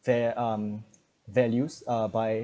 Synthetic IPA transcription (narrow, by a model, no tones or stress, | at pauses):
vɛʌm | vɛljusʌbaɪ